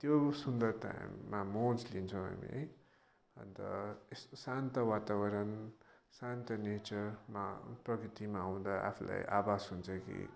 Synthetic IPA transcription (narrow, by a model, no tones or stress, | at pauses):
t̪josund̪ʌrt̪a̰mmːamod͡zlint͡sʰʌw̃ɦa̰mḭɦʌ̰j | ʌ̰nt̪ʌ̰essant̪ʌwat̪abʌɾʌn | sant̪ʌnet͡sʌrma̰prʌkɾit̪imaaw̃d̪aa̰pʰula̰jʔa̰basɦunt͡sʰʌkḭ